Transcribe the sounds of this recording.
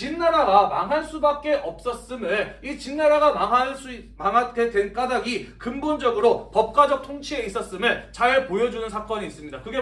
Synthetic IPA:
t͡ɕinːaɾaɡamaŋɦaɭs͈ubak̚k͈e̞ʔʌp̚s͈ʌs͈ɯmeɭit͡ɕinːaɾaɡamaŋɦaɭs͈ui | maŋɦaɡedenk͈adaɡikɯmbond͡ʑʌɡɯɾopʌp̚k͈wad͡ʑʌk̚tʰoŋt͡ɕʰie̞is͈ʌs͈ɯmɯɭt͡ɕaepojʌd͡ʑunɯnsʰak͈ʌɲiːs͈ɯmɲidakɯɡe

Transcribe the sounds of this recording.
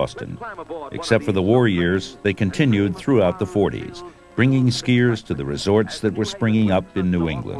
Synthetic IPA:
ɔ̰stɨ̰̃nʔɨ̰ksɛp̚tfə˞ðəwɔɹjɪɹzðeɪkʰɨ̃ntʰɪ̃njʉd̪̚θɹuaʊt̪̚ðəfɔɹɾḭz̥ | b̥ɹɪ̃ŋɪ̃ŋskɪɹz̥tʰɨðɨɹɨzɔɹtsðɨt̚wə˞spɹɪ̃ŋɪ̃ŋʌpɨ̃nːʉɪ̰̃ŋɡlə̰̃n

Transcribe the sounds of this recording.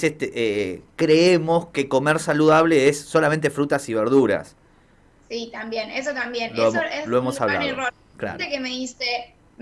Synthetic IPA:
sest̪eʔekɾeemo̞ske̞ko̞meɾsaluðaβ̞le̞esːo̞lament̪e̞fɾut̪asiβeɾðuɾa̰s | sit̪ambje̞nesot̪ambjenloeeloemosaβla̰ðoro | kla̰ɾt̪ekemeðist̪e

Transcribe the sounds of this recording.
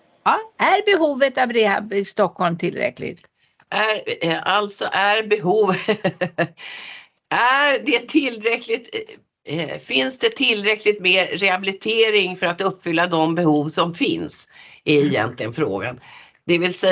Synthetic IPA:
ɑːæɾbɛhuːvət̪avɾɛabst̪ɔkhɔlmt̪ʰɪlɾɛ̰klɪ̰ɡt̪ | ʔæɾʔalt̪sɔʔæɾbɛɦuːv | æɾd̪ɛt̪ʰɪlːɾɛklɪt̪ | fɪnsd̪ɛt̪ʰɪlɾɛklɪt̪meːɾɾɛhabɪlɪt̪ʰeːɾɪŋfœɾat̪ɵpːfʏlːad̪ɔmbɛhuːvsɔmfɪ̰nsɪɛjɛ̰nt̪ʰlɪɡənfɾo̰ːɡa̰n | d̪̥ɛvɪlsɛ

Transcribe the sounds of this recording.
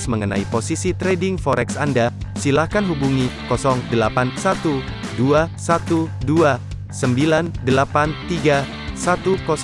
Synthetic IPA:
sməŋəna̰iposisit̪ɾediŋfɔɾʔɛksandasilahkanɦubuŋikɔsɔŋdəlapansat̪u | duasat̪udua | səmbilandəlapant̪iɡa | sat̪ukɔs

